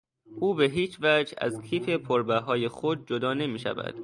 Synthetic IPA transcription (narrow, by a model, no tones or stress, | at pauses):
ʔuːbe̞ɦiːt͡ʃvæd͡ʒæ̰zkʰiːpʰe̞pʰoɾbæɦɒːjexod̪̚d͡ʒod̪ɒːne̞miːʃæ̰væ̰d̪̥